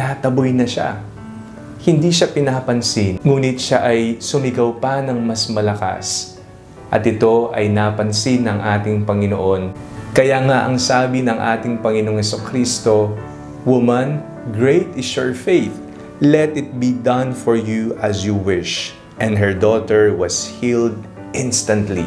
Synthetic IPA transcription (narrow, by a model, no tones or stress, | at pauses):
aːt̪ɐbojnɐʃa̰ | hɪnd̪iʃapɪnapɐnsɪnŋuːnɪt̪̚ʃaʔɐjsʊmɪɡɐwpɐnɐŋmɐsmɐlɐka̰s | ʔɐt̪ɪt̪o̞ʔɐjnapɐnsɪnːɐŋʔaːt̪ɪŋpɐŋɪno̰ʔo̞nkɐjaːŋaʔɐŋsaːbɪnɐŋʔa̰ːt̪ɪŋpɐŋɪnoŋɛsukɾist̪o̞ | wʊmɐn | ɡɹejt̪ɪsjɔɹfejθ | lɛt̪ɪt̪̚bid̪ɐ̃nfɔɹjuɐsjuwɪʃ | ʔɛ̃nd̪ɦɛɹd̪oːt̪ɛɹwɐshild̪̚ | ʔɪ̃nst̪ɐnt̪lḭ